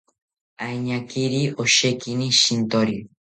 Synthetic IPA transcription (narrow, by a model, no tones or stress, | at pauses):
ajɲakiɾiʔoʃekiniʃint̪oɾi